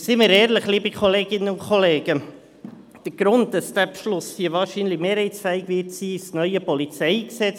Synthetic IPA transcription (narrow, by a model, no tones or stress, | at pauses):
sɪməɾɛːɾləχliːbikʰɔleːɡ̥ɪnːənʊnkχɔleːɡ̥ə | d̥əɾɡ̥ɾʊnt̚d̥ɑsd̥̪æpʃlʊshiəvɑːɾʃiːnlimeːɾhɛɪsfæɪkʋɪtsiːsnœʏəpɔlit͡sɛɪksɛt͡s